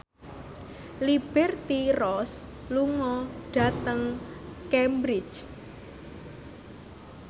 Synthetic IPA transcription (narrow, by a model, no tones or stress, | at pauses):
lib̥ɛrt̪irɔs | luŋɔɖ̥ä̤t̪əŋkɛmbɾi̥t͡ʃ